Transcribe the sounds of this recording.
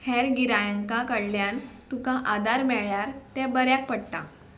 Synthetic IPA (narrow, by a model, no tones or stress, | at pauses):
hɛɾɡiɾajəŋkakəɽljãnt̪ukãʔad̪aɾmɛɭjaɾt̪ɛ̃bəɾjak̚pəɽt̪a